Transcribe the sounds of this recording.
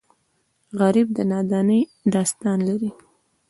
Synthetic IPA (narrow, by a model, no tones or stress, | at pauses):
ɣaɾib̚d̪ənɑd̪ɑnəjɖɑst̪ɑnlaɾi